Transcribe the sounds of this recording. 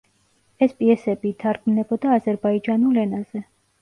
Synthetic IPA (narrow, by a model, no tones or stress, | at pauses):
ɛspʼiɛsɛbiːt̪ʰaɾɡmnɛbɔd̪aːzɛɾbaid͡ʒanulɛnaz̥ɛ